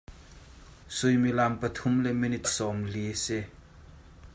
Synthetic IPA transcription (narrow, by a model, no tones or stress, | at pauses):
sujmilampɐt̪ʰʊmlɛminit̪̚sɔmlisɛ